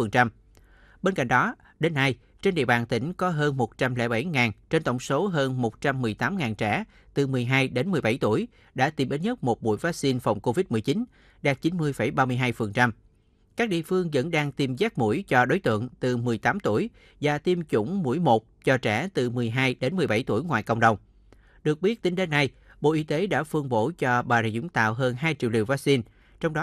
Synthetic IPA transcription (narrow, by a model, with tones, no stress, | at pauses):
fə˨˩nt͡ɕa˧m | ɓe˧nka̰˧˨ŋ̟ɗɔ˨˦ | ɗe˨˧˦nːa˧j | t͡ɕe˧nɗḭ˧˨əɓaː˨˩nt̪ï˧˩ŋ̟kɔ˨˦ɦəː˧nmo˨˩t̚t͡ɕa˧mlɛ̰˧˥ɓa˧˩jŋaː˨˩nt͡ɕe˧nt̪ə˧˩wŋ͡mso˨˦ɦəː˧nmo˨˩t̚t͡ɕa˧mːɨ˨˩əjt̪aː˨˦mŋaː˨˩nt͡ɕɛ̰ː˧˩˥ | t̪ɨ˨˩mɨ˨˩əjɦaː˧jɗe˨˦nmɨ˨˩əjɓa˧˩jt̪ṵ˧˩əj | ɗa̰ː˧˥t̪i˧mʔi˨˦nɲə˦˥t̚mo˨˩t̚mṵ˧˥jvaː˨˦k̚si˧nfa˨˩wŋ͡mko˧vi˦˥t̚mɨ˨˩əjt͡ɕi˨˦n | ɗaː˨˩k̚t͡ɕi˨˦nmɨ˧əjfə˧˩jɓaː˧mɨ˧əjɦaː˧jfə˨˩nt͡ɕa˧m | kaː˦˥k̚ɗḭ˧˨əfɨ˧əŋzə̰˧˥nɗaː˧ŋt̪i˧mzaː˦˥k̚mṵ˧˥jt͡ɕɔ˧ɗo˨˦jt̪ɨ̰˧˨əŋt̪ɨ˨˩mɨ˨˩əjt̪aː˨˦mt̪u˧˩əj | zaː˨˩t̪i˧mt͡ɕʊ̰˧˥ŋ͡mmṵ˧˥jmo˨˩t̚t͡ɕɔ˧t͡ɕɛ̰ː˧˩˥t̪ɨ˨˩mɨ˨˩əjɦaː˧jɗe˨˦nmɨ˨˩əjɓa˧˩jt̪ṵ˧˩əjŋwaː˨jkə̰˧wŋ͡mɗə˨˩wŋ͡m | ɗɨ˨˩ək̚ɓi˦˥ət̚t̪ï˨˦ŋ̟ɗe˨˦nːa˨˩j | ɓo̰˧˨ʔi˧˦t̪e˨˦ɗa̰ː˧˥fɨ˧əŋɓo̰˧˥t͡ɕɔ˧ɓaː˨˩lḛ˧˩jzʊ̰˧˥ŋ͡mt̪a̰ː˧˨wɦəː˧nɦaː˧jt͡ɕḭ˧˨əwlḭ˧˩əwvaː˦˥k̚si˧n | t͡ɕɔ˧wŋ͡mɗɔ˨˦